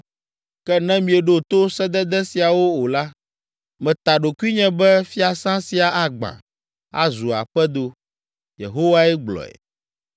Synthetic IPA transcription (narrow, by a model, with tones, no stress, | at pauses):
kɛ˦nɛ̃˦mĩ˨ɛ˨ɖo˦t̪o˦sɛ˦d̪ɛ˦d̪ɛ˦si˨a˨wo˦o˨la˦ | mɛ̃˨t̪a˨ɖo˨ku˦i˦ɲɛ̃˦bɛ˦fi˦a˨sã˦si˨a˨ʔa˨ɡ͡bã̰˨ | a̰˦zu˨a̰˨ɸɛ˦d̪o˨ | jḛ˨ɦo˦wa˦ɛ˦ɡ͡blɔ̰˨ɛ̰˨